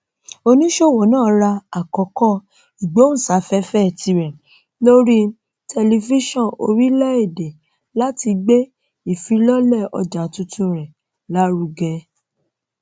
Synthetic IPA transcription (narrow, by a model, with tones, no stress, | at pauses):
o˧nĩ˦ʃo˦˨wɔ˨˦nãː˦˨ɾa˧a˨kɔ˨˦kɔ˦˨ | i˨ɡ͡be˨˦ũ˦˨sa˨˦fɛ˦fɛ˦˨ti˧ɾɛ̃˨ | lo˦ɾi˦ | tɛ˧li˧vi˦ʃɔ̃˦˨o̰˧ɾi˦lɛ˦e˦˨de˨ | la˦ti˧ɡ͡be˦ | i˨fi˨˧lɔ˦lɛ˦˨ɔ̰˧d͡ʒa˨tũ˧tũ˧˨ɾɛ̃˨ | la˨˦ɾu˧ɡɛ˧